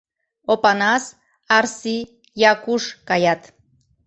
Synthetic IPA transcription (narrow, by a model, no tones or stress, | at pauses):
opanas | aɾsi | jakuʃkajat̪